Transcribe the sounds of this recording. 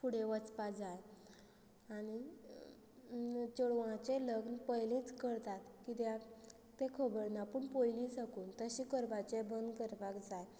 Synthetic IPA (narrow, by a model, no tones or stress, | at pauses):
fuɽeʋət͡spad͡zaj | aɽ̃i | t͡ɕɔɽʋãt͡ɕeləɡnpəjlĩt͡skəɾt̪at̪kit̪ja | t̪ekʰəbəɾnapəɳpojlĩsəkuːnt̪əɕĩkəɾbat͡ɕebənd̪kəɾbakd͡zaj